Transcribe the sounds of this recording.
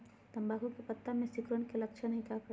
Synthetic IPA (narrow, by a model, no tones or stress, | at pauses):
t̪ɐmbaːkõkepɐt̪ːamẽsɪkɾəɳkelɐkʃʰənɐɦĩkakɾ